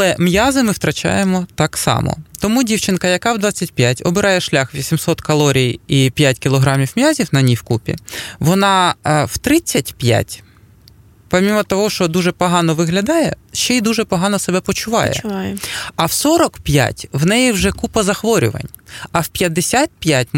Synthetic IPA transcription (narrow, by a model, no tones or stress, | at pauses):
ɐlˠɛmjazɪmɪwt̪ɾɐt͡ʃa̰jemɔt̪ɑksɑ̰mɔ̰t̪ɔmudʲiwt͡ʃɪnkɐjɐkɑwd̪ʋɑt͡sʲːɐt̚ʲpʲjatʲɔbɪɾɑjɛʃlʲaxʋʲisʲimsɔt̪kɐlˠɔɾʲijipʲjatʲkʲɪlˠɔɦɾɑmʲiwmjazʲiwnɐnʲiwkupʲḭʋɔnɑw̥t̪ɾɪt͡sʲːɐtʲpʲja̰tʲ | pɔmʲimɐt̪ɔɦɔʃt͡ʃɔd̪uʒɛpɔɦɑnɔʋɪɦlʲɐd̪ɑjɛ̰ʃt͡ʃɛid̪uʒɛpɔɦɑnɔsɛbɛpɔt͡ʃʊʋɑ̰jɛ̰ | ɐwsɔɾɔkpʲja̰tʲwnɛjiwʒɛkupɐzɐxʋɔɾʲʊ̰ʋɐ̰nʲ | ɐwpʲjɐd̪ːesʲat̪̚pʲjatʲ